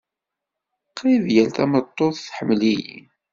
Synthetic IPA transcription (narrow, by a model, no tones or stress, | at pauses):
qʰːiðjælt̪æmət̪ˤːoθθħəmːlijḭ